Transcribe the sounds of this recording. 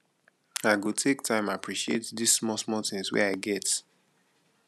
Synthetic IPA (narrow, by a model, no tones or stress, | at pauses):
aɪɡutʰektʰãɪ̃mapʰɹiʃiḛtdisːmɔsmɔtɪ̃ŋswɛ̰aɪɡɛt